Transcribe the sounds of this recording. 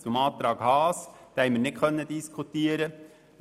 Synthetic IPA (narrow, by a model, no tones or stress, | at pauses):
t̪umɑːt̪ɾɑːɡ̥hɑːsd̥̪æɪmənɪt̚kʰœnːəd̪ɪskʰut̪iːəɾə